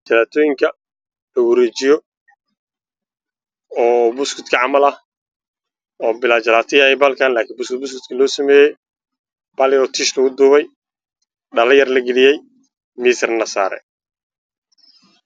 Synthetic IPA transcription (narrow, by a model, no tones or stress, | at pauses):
t͡ʃɐlaːt̪ʰɔːjɪŋkʰɐ | lɐwɐɾɛːt͡ʃɪjɔ | ɔːbʊskʰɪt̪kʰɐʕɑmɐlɐ | ɔːbɪlaːt͡ʃɐlaːt̪ʰɐjahɛjbaːlkʰaːnlaːkʰiːmbʊskɪd̪̚bʊskɪt̪kʰɐlɔːsɐmɛːjɛj | b̥aːljɔːt̪ʰiːʃlɐɣʊd̪uːβɛj | ɖɐlɐjɐrlɐɡɪlɪjɛj | miːsɪrnɐsa̰ːɾɛ̰